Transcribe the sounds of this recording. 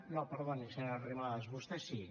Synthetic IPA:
nopəɾðonisenariβaðəzβust̪ɛsi

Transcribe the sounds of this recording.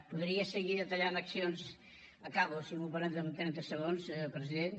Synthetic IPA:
puðɾiəsəɣiðət̪əʎand̪əksionz | əkaβosinupəɾɛnd̪ənt̪ɾɛnt̪əsəɣ̞onspɾəziðen

